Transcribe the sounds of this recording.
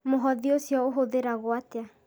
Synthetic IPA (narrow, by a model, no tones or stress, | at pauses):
moɦɔðiosjɔoɦoðeɾaɣoatea